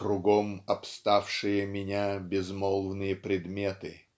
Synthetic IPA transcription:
kɾʊɡomɐpst̪afʂɨjəmʲɪnʲabʲɪzmɔlˠvnɨjəpɾʲɪd̪mʲet̪ɨ

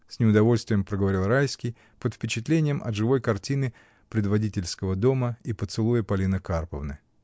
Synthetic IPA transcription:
sʲnʲɪʊd̪ɐvo̞lʲst̪vʲɪjəmpɾəɡəvɐɾʲilˠrajskʲɪj | pət̪fpʲɪt͡ɕɪt̪lʲenʲɪjəmʔɐ̰t̪ʐɨvo̞jkɐrtʲinɨ | pɾʲɪd̪vɐdʲitʲɪlʲskəvəd̪o̞məipət̪sɨlˠujəpɐlʲinəkarpəvnɨ̰

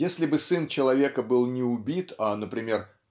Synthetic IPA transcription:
jesʲlʲɪbɨsɨnt͡ɕɪlˠɐvʲe̞kəbɨlˠnʲɪʊbʲit̪anəpɾʲɪmʲe̞r

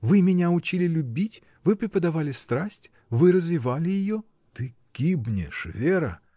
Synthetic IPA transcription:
vɨmʲɪnʲaʊt͡ɕilʲɪlʲʊbʲitʲ | vɨpɾʲɪpəd̪ɐvalʲɪst̪ɾasʲtʲ | vɨɾəzvʲɪvalʲɪjɪjo | t̪ɨɡ̥ʲibnʲɪ̰ʂvʲeɾə̰

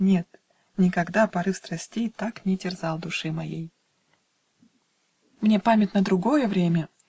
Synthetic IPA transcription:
nʲe̞t̪ | nʲɪkɐɡd̪apɐɾɨfst̪ɾɐsʲtʲejt̪aknʲɪtʲɪrzalˠd̪ʊʂɨmɐjḛj | mnʲe̞pamʲɪtʲnəd̪ɾʊɡo̞jəvɾʲemʲə

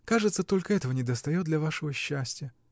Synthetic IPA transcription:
kaʐɨt̪sət̪o̞lʲkəɛt̪əvənʲɪd̪əst̪ɐjot̪̚d̪lʲɐvaʂɨvəɕːæsʲtʲɪjə

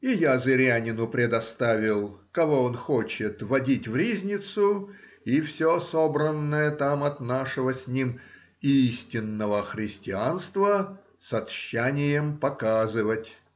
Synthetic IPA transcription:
ijazɨɾʲanʲɪnʊpɾʲɪd̪ɐst̪avʲɪlˠkɐvo̞onxo̞t͡ɕɪt̪vɐdʲitʲvɾʲizʲnʲɪt̪sʊ | ifsʲoso̞bɾənːəjət̪amɐt̪naʂɨvəsʲnʲim | isʲtʲɪnːəvəxɾʲɪsʲtʲɪanst̪və | sɐt̪ɕːænʲɪjəmpɐkazɨvətʲ

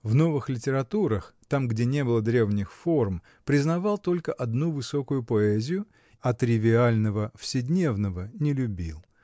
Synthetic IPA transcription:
vno̞vɨxlʲɪtʲɪɾɐt̪uɾəxt̪amɡdʲenʲe̞bɨlˠəd̪ɾʲe̞vnʲɪxfo̞rm | pɾʲɪznɐvɑlˠt̪o̞lʲkəʔɐd̪nuvɨso̞kʊjʊpoɛzʲɪjʊ | ɐt̪ɾʲɪvʲɪalʲnəvəfsʲɪdʲnʲe̞vnəvənʲɪlʲʊbʲilˠ

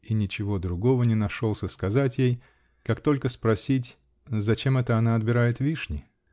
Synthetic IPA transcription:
inʲɪt͡ɕɪvo̞d̪ɾʊɡo̞vənʲɪnɐʂo̞lˠsʲəskɐzatʲjej | kakt̪o̞lʲkəspɾɐsʲit̬ʲ | zɐt͡ɕe̞mɛt̪əɐnaɐd̪̚bʲɪɾajɪt̪vʲiʂnʲɪ

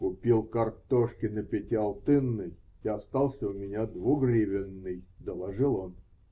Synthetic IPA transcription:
kʊpʲilˠkɐrt̪oʂkʲɪnəpʲɪtʲɪɐlˠt̪ɨnːɨjiɐst̪ɑlˠsʲəʊmʲɪnʲad̪vuɡrʲivʲɪnːɨjd̪əlˠɐʐɨlˠon

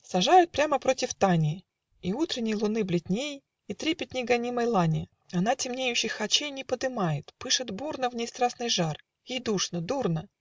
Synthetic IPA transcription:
sɐʐajʊt̪̚pɾʲaməpɾo̞tʲɪft̪anʲɪ | iut̪ɾʲɪnʲɪjəlˠʊnɨblʲɪtʲnʲej | it̪ɾʲepʲɪt̪ʲnʲɪjɡɐnʲiməjlˠanʲɪ | ɐnatʲɪmnʲejʉɕːɪjxɐt͡ɕejnʲɪpəd̪ɨmajɪt̪pɨʂɨt̪burnəvnʲɪjst̪ɾasnɨjʐar | jejd̪uʂnəd̪urnə

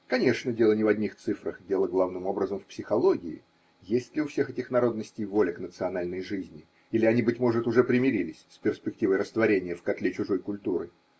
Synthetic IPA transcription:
kɐnʲe̞ʂnədʲe̞lˠənʲɪvɐdʲnʲixt̪sɨfɾəxdʲe̞lˠəɡlˠavnɨmo̞bɾəzəmfpsʲɪxɐlˠo̞ɡʲɪɪ̰ | jesʲtʲlʲɪʊfsʲe̞xɛtʲɪxnɐɾo̞d̪nəsʲtʲɪjvo̞lʲɪknət̪sɨɐnalʲnəjʐɨzʲnʲɪ | ilʲɪɐnʲibɨtʲmo̞ʐɨt̪ʊʐɛpɾʲɪmʲɪɾʲilʲɪsʲspʲɪrsʲpʲɪk̚tʲivəjɾəst̪vɐɾʲenʲɪjəfkɐt̪lʲet͡ɕʊʐo̞jkʊlʲt̪uɾɨ

